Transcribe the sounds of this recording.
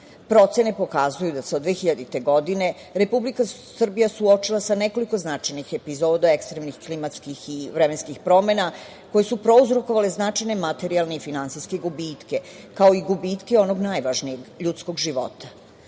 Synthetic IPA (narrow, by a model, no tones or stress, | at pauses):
pɾo̞t̪se̞ne̞po̞kazujud̪aseod̪ʋeːxiʎad̪it̪e̞ɡo̞d̪ine̞ | ɾe̞publikasr̩bijasuo̞t͡ʃilˠasane̞ko̞liko̞znat͡ʂajnixe̞pizo̞d̪oekst̪ɾemnixklimat̪skixiʋɾemenskixpɾo̞me̞na | ko̞jesupɾo̞uzɾo̞koʋaleznat͡ʃajne̞mat̪e̞ɾialˠneifinansijske̞ɡubiːt̪ke̞ | kao̞iɡubit̪ke̞o̞no̞ɡnajʋaʒnijeɡʎut̪sko̞ɡʒiʋo̞̰t̪ḁ